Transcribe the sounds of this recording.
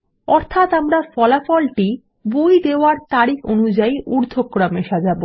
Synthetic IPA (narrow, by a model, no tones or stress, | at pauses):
ɔɾt̪ʰat̪amɾafɔlafɔlʈi | bojd̪eoaɾt̪aɾikonud͡ʑaiuɾd̪ʱokːɾameʃad͡ʑabo